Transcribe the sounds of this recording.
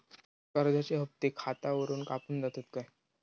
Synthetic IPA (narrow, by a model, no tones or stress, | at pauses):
kəɾd͡z̪ʱat͡ɕeɦəp̚t̪iːkʰat̪aʋəɾuːnkapuːnd͡zat̪ot̪̚kaɦj